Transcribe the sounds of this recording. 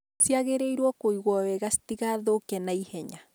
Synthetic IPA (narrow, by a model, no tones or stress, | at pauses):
t͡siaɣeɾejɾwakojɣwaβeɣast̪iɣaðokenajheɲa